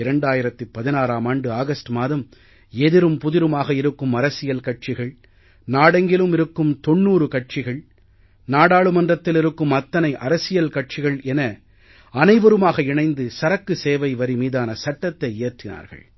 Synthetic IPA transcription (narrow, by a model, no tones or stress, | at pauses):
ɪɾɐɳɖaːjɪɾɐt̪ːɯpɐðɪnaːɾaːmaːɳɖɯaːɣɐsʈɯmaːðɐm | ɛðɪɾɯmpʊðɪɾɯmaːɣɐɪɾɯkːɯmɐɾɐsɪjɐlkɐʈ̚t͡ʃɪɣɐɭ | naːɽɐŋɡɪlɯmɪɾɯkːɯmt̪ɔɳːuːɾɯkɐʈ̚t͡ʃɪɣɐɭ | naːɽaːɭɯmɐndrɐt̪ːɪlɪɾɯkːɯmɐt̪ːɐnɐɪʔɐ̰ɾɐsɪjɐlkɐʈ̚t͡ʃɪɣɐɭɛnɐ | ɐnɐɪʋɐɾɯmaːɣɐɪɳɐɪnd̪ɯsɐɾɐkːɯseːʋɐɪʋɐɾimiːðaːnɐsɐʈːɐt̪ːɐɪeːɾt̪ːɪna̰ːɾɣɐ̰ɭ